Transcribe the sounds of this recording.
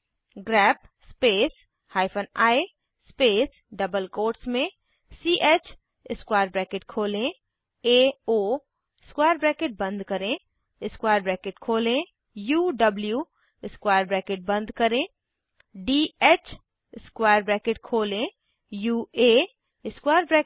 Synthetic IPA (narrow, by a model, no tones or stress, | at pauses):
ɡɾɛːp | speːs | haːɪpʰənaːi | speːs | ɖɐbəlkoːʈsmẽ | siːʔeːt͡ʃ | ɪskwaːɾbɾɛːkeʈkʰoːlẽ | eːoː | ɪskwaːəɾbɾɛːkeʈ̚bə̃nd̪kɐɾẽ | ɪskwaːjɾbɾɛːkeʈkʰoːlẽ | juːɖɐbljuː | ɪskwaːjəɾbɾɛːkeʈ̚bə̃nd̪kɐɾẽ | ɖiːeːt͡ʃ | ɪskwaːjəɾbɾɛːkeʈkʰoːlẽ | juːeː | ɪskwaːjəɾbɾɛ